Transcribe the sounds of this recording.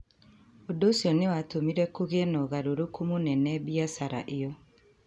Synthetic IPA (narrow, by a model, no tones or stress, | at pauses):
odosiɔnewatomiɾɛkoɣɛnɔɣaɾoɾokʰomonɛnɛbjasaɾa̰ʔejɔ